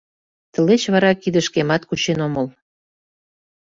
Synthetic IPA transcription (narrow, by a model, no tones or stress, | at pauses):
t̪ə̆let͡ɕβɑɾɑkid̪ə̆ʃkemɑt̪kut͡ɕenoməl